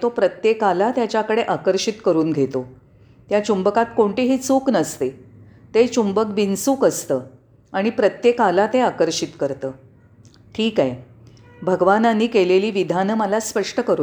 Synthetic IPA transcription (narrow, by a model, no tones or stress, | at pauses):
t̪opɾət̪jekalat̪jat͡ɕjakəɽeʔakəɾʂit̪kəɾuːnɡʱet̪o | t̪jat͡ɕumbəkat̪koɳʈeɦiːt͡suːknəst̪e | t̪et͡ɕumbək̚binsuːkəst̪əː | aɽ̃ipɾət̪jekalat̪eakəɾʂit̪kəɾt̪əː | ʈʰiːkaj | bʱəɡʋananːiːkeleliːʋid̪ʱanəːməlaspəʂʈəkəɾ